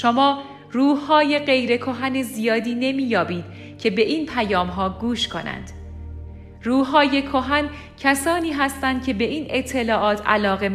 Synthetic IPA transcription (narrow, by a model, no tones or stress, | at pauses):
ʃomɒː | ruːhɒːje̞ɢe̞jɾe̞kʰoɦæne̞zijɒːd̪iːne̞miːjɒːbiːd̪̥ | cʰe̞be̞ʔiːnpʰæjɒːmɦɒːɡuːʃkʰo̞̰næ̰nd̪̥ | ruːɦɒːje̞kʰo̞ɦæn | cʰæsɒːniːɦæst̪ænd̪̥kcʰe̞be̞iːnet̪ʰːe̞lɒːʔɒːt̪ʰæ̰lɒːɣe̞